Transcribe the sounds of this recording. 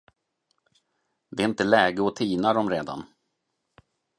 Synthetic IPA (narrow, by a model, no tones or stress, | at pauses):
d̪ɛɪnt̪əlɛːɡəɔt̪ʰiːnaɾɔmɾeːd̪a̰n